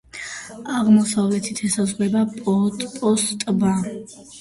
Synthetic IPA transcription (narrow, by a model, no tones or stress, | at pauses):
aʁmɔsavlɛt̪ʰit̪ʰɛsazʁwɛbapʼɔt̪ʼpʼɔst̪ʼba